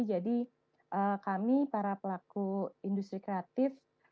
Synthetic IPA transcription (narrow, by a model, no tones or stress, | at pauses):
d͡ʒadi | ʔəkamipaɾapəlakuindust̪ɾikɾeat̪ɪf